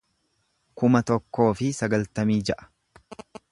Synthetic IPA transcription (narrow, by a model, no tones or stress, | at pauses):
kʊmɐt̪ɔkːo̞ːfɪsɐɡɐlt̪ɐmiːd͡ʒɛʔɐ̥